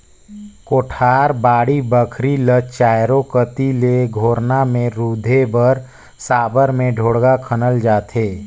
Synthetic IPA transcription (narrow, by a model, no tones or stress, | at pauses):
koːʈʰaːɾbaːɽibəkʰɾilət͡ʃaːjɾokət̪ileɡʱoːɾnamẽɾuːd̪ʱebəɾ | saːbəɾmẽɖʱoːɽɡakʰənəld͡ʒaːt̪ʰeː